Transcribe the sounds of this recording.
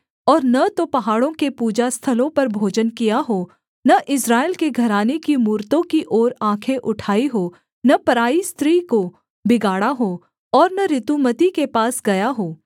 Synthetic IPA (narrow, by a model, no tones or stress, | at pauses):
ɔːɾnɐt̪opɐɦaːɽõkepuːd͡ʒast̪ʰɐlõpɐɾbʱoːd͡ʒənkijaɦoː | nɐʔɪsɾaːɪlkeɡʱɐɾaːnekimuːɾt̪õkiʔɔːɾãːkʰeʔʊʈʰaːiɦoː | nɐpɐɾaːist̪ɾiːko | bɪɡaːɽaɦoː | ɔːɾnɐɾɪt̪umət̪ikepaːsɡɐjaɦoː